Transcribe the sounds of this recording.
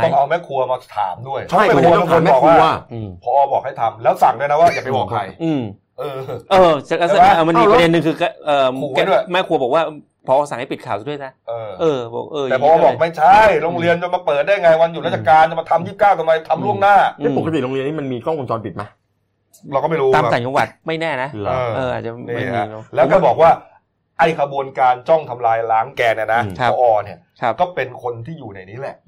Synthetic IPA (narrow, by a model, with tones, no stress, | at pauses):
ɔ˥˩ŋʔa˧wmɛː˦˥kʰu˧ɐmaː˧t̪ʰa̰ː˩˦mdu˥˩əjt͡ɕʰa˦˥˩j̪ʰo˧nmɛ˥ɔː˨˩k̚ʰuwaː˧˥˧wa˥˩ɯ˧˩pʰɔː˧bɔː˨˩k̚ha˥˩jt̪ʰa˧mlɛː˦˥wsa˨˩ŋdu˥˩jna˦˥waː˧˥˩jaː˨˩ma˧˩jbɔː˨˩kʰa̰˧jʔɯ˧˩m | ʔɤː˧ʔːt͡ɕlɛː˦˥˧m˧nmiː˧pde˧nːɯ˨˧ŋkʰɯː˧ka˧˩ʔɤː˨˩˧kdu˥˩əjmɛ˦˥kʰu˧bɔ˨˩k̚waː˥˩ | pʰɔː˧ʔsa˨˩ŋha˥˩pi˨˩t̪̚kʰaː˨˩wa˨˩du˥˩jsʰa˦˥ʔɤː˧ʔɤː˧bɔ̰˨˩k̚ʔɤː˧ɛ˨˩˧ɔː˧˥ma˧˦˧bɔː˨˧˩k̚ma˥˩jt͡ɕʰa˦˥˩jɾo˧ŋɾi˧ənt͡ɕa˧maː˧pɤː˨˩t̪̚daː˥˩ja˧ŋa˧jwa˧nju˨˩lɛ˦˥t͡ɕa˨˩kaː˧nt͡ɕa˨˩ma˧t̪ʰa˧mji˥˩p̚kaː˥˩wt̪a˧ma˧jt̪ʰa˧mɾu˥˩əŋnaː˥˩˥po˨˩kʰa˧t̪i˨˩ɾo˧ŋɾi˧ənʰiː˥˩ma˧nmiː˧kɔː˥˩ŋku˧nt͡ɕɔː˧npi˨˩t̪̚ma˦˥ | ɾɔ˧kɔː˥˩ma˥˩ɾuː˦aː˧˩˧a˨˩t͡ɕɔ˧wa̰˨˩t̪̚ma˥˩jnɛː˥˩na˦˥ʔːʔɤː˧ʔa̰ː˨˩t̪̚t͡ɕa˨˩nːa˥˩˧lɛː˦wkaː˥˩bɔː˨˩k̚waː˥˩ | ʔa˧˩jkʰa˧bu˧ənkaː˧nt͡ɕɔ˥˩ŋt̪ʰa˧mlaː˧jlaː˦˥ŋkɛː˧ni˧˩na˦˥kʰɔ˧ʔɔː˧˩ni˥˩ɐkʰa˦˥p̚kɔː˥˩pe˧nkʰo˧nt̪ʰiː˥˩juː˨˩na˧˩jniː˦˥˩lɛ˨˩